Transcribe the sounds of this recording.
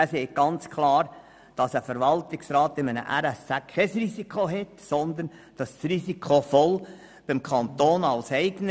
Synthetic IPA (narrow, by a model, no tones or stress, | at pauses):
æseːk̚ɡ̥ɑnt͡skʰlɑːɾ | d̥ɑsəfəɾʋɑltɪksrɑːtɪmənə̰ʔæɾɛst͡sækʰːɛsrisikχoɦɛtsɔnd̪ən | d̥ɑssrisikʰofɔl | b̥ɪmkʰɑnt̪oːnɑlsɛɪɡ̥ən